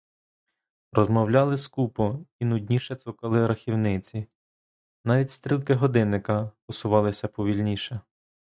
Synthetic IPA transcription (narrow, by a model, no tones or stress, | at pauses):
ɾɔzmɔwlʲɑlˠɪskupɔinʊdʲnʲiʃɛt̪ukɐlˠɪɾɐxʲiwnɪt͡sʲi | nɑʋʲitʲst̪ɾʲilˠkɪɦɔd̪ɪnːɪkɐpɔsʊʋɑlˠɪsʲɐpɔʋʲilʲnʲiʃɛ